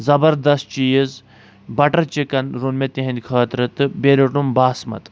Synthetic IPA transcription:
zɐbɐɾd̪ɐst̪̚t͡ʃijiz | bɐʈɐɾt͡ʃikɐnɾunmʲet̪iɦɐ̃nʲd̪ʲkʰaːt̪ɾɐt̪ɨbeɾɐʈumbaːsmɐ̰t̪

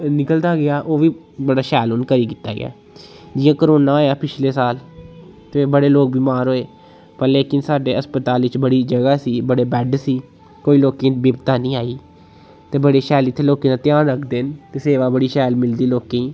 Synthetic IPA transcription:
nɪkəld̪aːɡɪaːʔoːʋiː | bəɽaːʃɛːloːnkəɾiːkiːt̪a̰ːɡɪ̰a̰ː | d͡ʒɪːãːkəɾoːnaːaːjaːpɪt͡ʃʰleːsaːlt̪ẽːbəɽeːloːk̚biːmaːɾɦoːeː | pəɾleːkɪnsaːɖeːəspət̪aːlʋɪt͡ʃbəɽiːd͡ʒəɡaːsiːbəɽeːbɛɖsiː | koːiːloːkẽːbɪbt̪aːnĩːaːiː | t̪eːbəɽeːʃɛːlɪt̪ʰːeːloːkẽːnãːt̪ɪjaːnɾəkʰd̪ent̪eːseːʋaːbəɽiːʃɛːlmɪld̪iːloːkẽiː

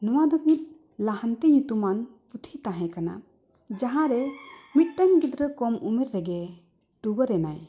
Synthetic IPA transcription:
nɔwad̪ɔmit̪̚ˀ | laɦant̪ɛɲut̪umanput̪ʰit̪aɦɛ̃kana̰ | d͡ʒaɦãɾɛmit̪̚ʈaŋɡid̪ɾəkɔmumiɾɾɛɡɛ | ʈuɡəɾɛnaj

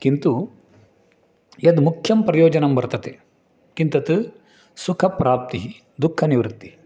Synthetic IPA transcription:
kint̪u | jɐd̪mukʰjɐmpɾɐjoːd͡ʒɐnɐmbɐɾt̪ɐt̪e | kint̪ɐt̪ɨ | sukʰɐpɾaːp̚t̪iɦi | d̪ukʰːɐniʋɾut̪ːii

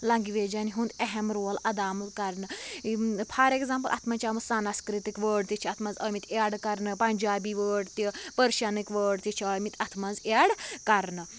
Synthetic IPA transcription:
lɐŋɡiʋed͡ʒaniɦũnd̪eɦemɾoːlɐd̪aːmut̪kɐɾnə | pʰaɾekzaːmpəlʔa̰t̪ʰmɐt͡ʃaːmɐsaːnaskɾit̪ikʋəːɽt̪it͡ʃʰiɐt̪ʰmɐ̃nzɐmit̪aɽkɐɾnəpɐɲd͡ʒaːbiʋəːɽt̪ipəɾʃanikʋəːɽt̪it͡ʃʰəmit̪ɐt̪ʰmɐnzaɽkɐɾnə

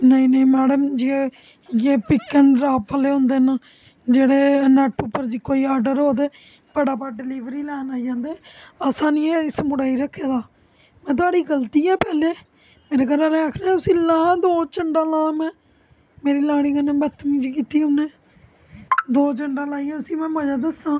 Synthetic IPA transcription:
nəĩːnəĩːmɛːɽəmd͡ʒie | jeːpɪkːəɳɾaːpəleːɦõːnd̪eːnə | d͡ʒeːɽeːnɛʈʊpːəɾd͡ʒiːkoːiːaːɾɖəɾɦoːd̪eː | pəɽaːpaːɖɪliːʋɾiːlɛːnaːid͡ʒãːnd̪eːəsãːniːeːɪsmʊɽaːiːɾəkʰːeːd̪aː | mɛ̃ːt̪̬ʊaːɽiːɡəlt̪iːɛ̃ːpɛːleː | meːɾeːkəɾãlɛ̃ːaːkʰnãɛ̃t̪ʊsĩːlãːd̪oːt͡ʃəɳɖãːlãːmɛ̃ː | meːɾiːlaːɽ̃iːkənẽːbət̪ʰːmĩːd͡ʒkiːt̪iːɦʊnẽː | d̪oːt͡ʃəɳɖãːlaːiːɛ̃ːt̪ʊsĩːmɛ̃ːməd͡ʒaːd̪əsãː

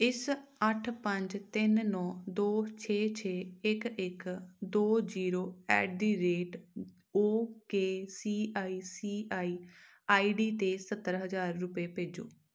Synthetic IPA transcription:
ɪsəʈʰpəɲd͡ʒt̪ɪnnɔːd̪oːt͡ʃʰeːt͡ʃʰeːɪkɪkd̪oːziːɾoːɛ̰ːd̪iːɾeːʈ | oːkeːsiːʔaːiːsiːaːiː | aːiːɖiːt̪eːsət̪ːəɾɦəzaːɾːʊpeːpeːd͡ʒo̰ː

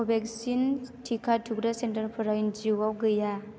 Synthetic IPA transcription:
ɔbɛk̚sintʰikʰatʰuk̚dasentaɾpʰɯɾajnd͡ʒiwawɡɯja

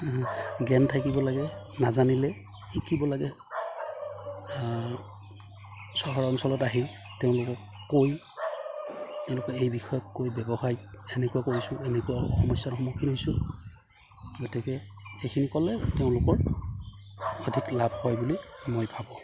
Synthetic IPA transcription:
ɡɛntʰakibɔlaɡɛ | nazanilɛ | ikibɔlaɡɛ | sɔɦɔɹɔnsɔlɔtaɦil | teʊ̃lʊkɔ | koj | teʊ̃lʊkɔejbixɔjɔt̚kojbɛbɔxajɛnɛkuwakoɹisʊ̃enɛkuwaxɔmɔsatxɔmukʰiojsʊ̃ | ɡɔtikɛ | xekʰinikɔlɛteʊ̃lʊkɔɹ | ɔdʱiklabʱhɔjbulimojpʰabɔ̃

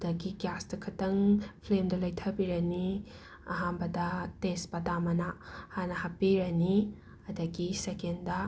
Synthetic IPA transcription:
dɐɡiɡjasdɐkʰɐtɐŋpʰlemdɐlɐjtʰɐbiɾɐni | ɐɦanbɐdɐtenspɐdamɐnahanɐhapːiɾɐni | ɐdɐɡisekendɐ

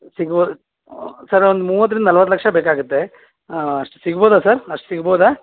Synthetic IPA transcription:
siɡboː | sɐɾond̪umuːʋɐt̪ːɾind̪ɐnɐlʋɐt̪̬ːlɐkʂɐbeːkaːɡut̪ːe̞ | ɐʂʈusiɡboːd̪asɐɾɐʂʈu̥siɡboːd̪aː

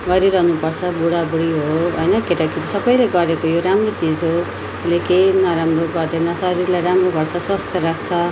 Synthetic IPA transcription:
ɡʌɾiɾʌɦnupʌrt͡sʰʌbuɽabuɽiɦoɦojnʌkeʈakit̪isʌbʌjleɡʌɾekojoɾamrot͡sid͡zɦo | lekejnʌɾamroɡʌd̪enʌsʌɾirlajɾamroɡʱʌrt͡sʰʌswʌst̪ʰjʌɾakʰt͡sʰʌ

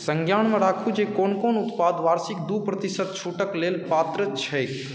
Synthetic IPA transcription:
sə̃ŋɡʱjaːɳmẽɾaːkʰud͡ʒekoːnkoːnʊt̪paːd̪ʋaːɾsɪk̚d̪uːpɾət̪ɪsət̪̚t͡ʃʰuːʈəkleːlpaːt̪ɾət͡ʃʰɛ

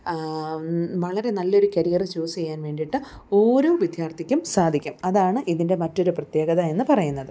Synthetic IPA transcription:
ʋɐɭɐɾe̞nɐlːo̞ɾukɐɾijɐrɨt͡ɕuːsejːaːnʋe̞ːɳɖiʈːɨ | o̞ːɾoːʋjid̪ʱjaːrt̪ʰikʲːumsaːd̪ʱikʲːumɐðaːɳɨʔiðinde̞mɐtːo̞ɾuprɐt̪je̞ːɡɐðɐe̞nːɨpɐrɐjunːɐðɨ

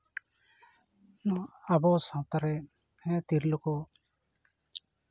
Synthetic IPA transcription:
abɔsãwt̪aɾɛ | hɛ̃t̪iɾlukɔ

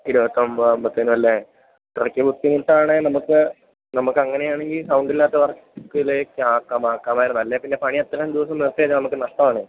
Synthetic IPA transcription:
kiɾuʋɐt̪ːɐmbmbɐt̪ːinumɐlːe | krɐkʲːɐbut̪ːiŋuʈːaːɳɨnɐmukːɨ | nɐmukːɨɐŋːɐnejaːɳe̞ŋɡilsɐwɳɖilːaːt̪ːɐʋɐr | kːuilekʲːaːkːamaːkːaːmaːjɾunːɐlːepinːe̞pɐɳiɐt̪ːɐɣɐmd̪iʋɐsɐmʋiʋɐt̪ːɐjɐːt͡ɕːɐnɐmukːɨnɐʂʈɐmaːɳe

